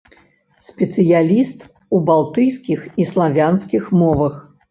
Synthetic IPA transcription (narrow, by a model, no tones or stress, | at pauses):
sʲpʲɛt̪sɨjalʲist̪ | ubalˠt̪ɨjsʲkʲixislˠavʲanskʲixmɔvɐx